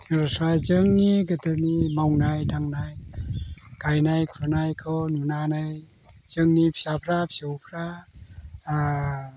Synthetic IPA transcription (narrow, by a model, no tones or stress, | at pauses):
tʰiŋɾɔsajzɯŋniɡɯtɯnimawnajdaŋnaj | kajnajkʰɾanajkʰɯwnunanaj | z̥ɯŋnipʰijapʰɾapʰiowpʰɾa